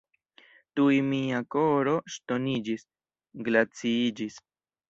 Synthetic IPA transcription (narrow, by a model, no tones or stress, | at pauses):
tujmiako̞ɾoʃt̪o̞nid͡ʒis | ɡlat͡siid͡ʒis